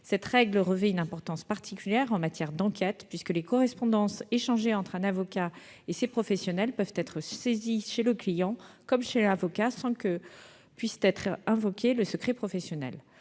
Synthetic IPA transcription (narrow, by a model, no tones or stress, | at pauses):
sɛt̪ʁɛɡləʁəvɛynɛ̃pɔʁt̪ɑ̃spaʁt̪ʰikʲyljɛʁɑ̃mat̪jɛʁd̪ɑ̃kʲɛt̪pɥiskəlekɔʁɛspɔ̃d̪ɑ̃seʃɑ̃ʒeɑ̃t̪χɛ̃navɔka | esepχɔfɛsjɔnɛlpœvt̪ɛt̪χəseziʃeləklijɑ̃kɔmʃelavɔkasɑ̃kə | pɥist̪ɛt̪χɛ̃vɔkʲeləsəkχɛpχɔfɛsjɔnɛ̰l